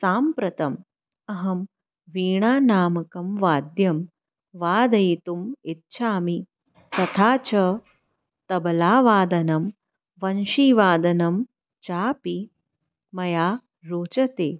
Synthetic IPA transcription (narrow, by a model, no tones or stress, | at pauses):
saːmpɾɐt̪ɐm | ɐɦɐm | ʋiːɳ̃aːnaːmɐkɐmʋaːd̪jɐm | ʋaːd̪ɐjt̪umit̪t͡ʃʰaːmi | t̪ɐt̪ʰaːt͡ʃɐ | t̪ɐbɐlaːʋaːd̪ɐnɐm | ʋɐnʃiːʋaːd̪ɐnɐm | t͡ʃaːpi | mɐjaː | ɾoːt͡ʃɐt̪eː